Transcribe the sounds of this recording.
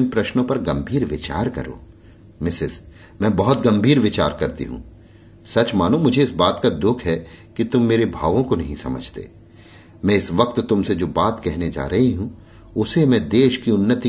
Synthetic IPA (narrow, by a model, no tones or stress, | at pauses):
npɾɐʃnõpɐɾɡɐ̃mbʱiːɾʋɪt͡ʃa̰ːɾkɐ̰ɾo̰ː | mɪsɪz | mɛ̃ːbɔɦʊt̪̚ɡɐ̃mbʱiːɾʋɪt͡ʃa̰ːɾkɐɾt̪ḭɦṵ̃ | sɐt͡ʃmaːnomʊd͡ʒʱeɪsbaːt̪kad̪ʊkʰɦɛkit̪ʊmːeːɾebʱaːʋõkonɐɦĩsɐ̰mə̰d͡ʒʱt̪ḛː | mɛ̃ːɪsʋɐq̚t̪ːʊmsed͡ʒoːbaːt̪kɛɦned͡ʒa̰ːɾɐɦiɦũ | ʊsemɛ̃d̪eːʃkiʊnːət̪i